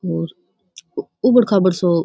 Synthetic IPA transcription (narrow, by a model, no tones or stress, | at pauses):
oːɾ | ubəɽkʰaːbəɽso